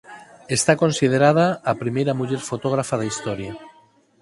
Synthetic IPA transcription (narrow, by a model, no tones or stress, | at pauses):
est̪ako̞nsið̞eɾað̞aːpɾimejɾamuʎeɾfo̞t̪oɣ̞ɾafaðeist̪oɾja